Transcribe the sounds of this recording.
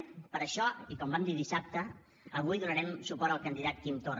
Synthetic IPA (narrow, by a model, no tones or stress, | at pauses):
pəɾəʃɔikɔmbamd̪iðisap̚t̪ə | əβ̞ujðunəɾɛmsupɔɾəlˠkənd̪iðat̪kimt̪or